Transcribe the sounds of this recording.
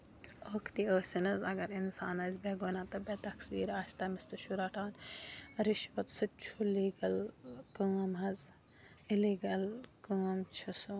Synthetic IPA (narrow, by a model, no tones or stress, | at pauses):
oːkʰt̪ioːsinɐzɐɡɐɾinsaːnɐzbeɡoːnaːt̪ɐbeːt̪ɐksḭːɾaːsʲt̪ɐmist̪ɨʃuɾaːʈʰaːnɾɪʃʋɐt̪sɨt͡ʃʰuliːɡɐlkɐːmɦɐz | ɪliːɡɐlkaːmt͡ʃʰɐsu